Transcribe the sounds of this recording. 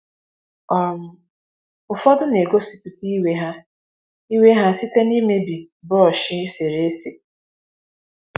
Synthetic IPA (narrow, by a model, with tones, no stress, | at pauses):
ɔ˦m̩˦ | ʊ˨fɔ˦dʊ˦ne˨ɡo˦si˨pi˨ti˦we˦ɦa˦ | i˦we˦ɦa˦si˦te˦ni˦me˦bi˨ | bɔ˦ɔ˨ʃɪ˦se˨ɾe˨e˦se˨